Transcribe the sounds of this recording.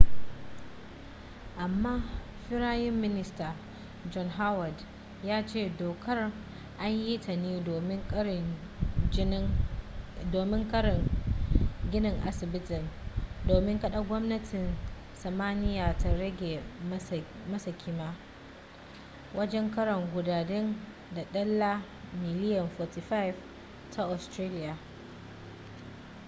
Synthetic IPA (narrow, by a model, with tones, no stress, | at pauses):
ʔa˨mːaː˦ | ɸɪ˦ɽaː˦jɪ˦mːɪ˦nɪ˦staː˨ | d͡ʒɔ˦nɦa˦wa˨d | jaː˦t͡ʃeː˦˨doː˨kʰɐ˦r | ʔa˦ɲji˦tʰɐ˨niː˦˨mɪ˦ŋ˨ | doː˨mɪ˦ŋkɐ˦˨ | ɡʲɪ˦nɪ˨ŋʔa̰˦sɪ˨bɪ˦tɪ˨ndoː˨mɪ˦ŋkɐ˦ɗa˦ɡʷɔ˦mnɐ˦tʰɪ˨n | sɐ˨maː˦nɪ˦jaː˨ta˨ɾɐ˦ɡʲe˨ | mɐ˦sa˨kʲʰiː˦maː˦ | wʔɐ˦d͡ʒɛ˦ŋkɐ˦ɾɐ˨ŋɡʷʊ˨daː˨dɛ˦n | da˨ɗɐ˦lːa˦ | mɪ˨lɪ˦jɐ˨nfɔ˨ti˨ɸa˦jɪ˨v | tʰa˨ʔɔ˨stɾe˦lɪ˦jaː˨